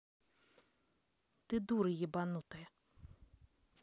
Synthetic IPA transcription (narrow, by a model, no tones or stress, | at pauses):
t̪ɨd̪uɾɨjibanut̪ɐjɛ